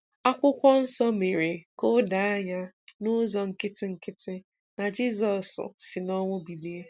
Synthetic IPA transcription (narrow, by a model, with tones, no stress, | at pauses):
a˦kʷʊ˦kʷɔ˦n̩˦sɔ˦me˨ɾe˨ko˦da˨a˦ɲa˦ | nʊ˦zɔ˨ŋ̩˨kɪ˦tɪ˦ŋ̩˦kɪ˦tʰɪ˦ | na˨d͡ʒi˦zɔ˨sʊ̰˨sɪ˨nɔ˦ŋʷʊ˦bi˨di˦e˦